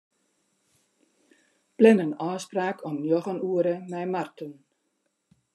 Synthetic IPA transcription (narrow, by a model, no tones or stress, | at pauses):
plɛnənɔːspraːkʰɔmnjɔɣənuəɾəmɛjmartən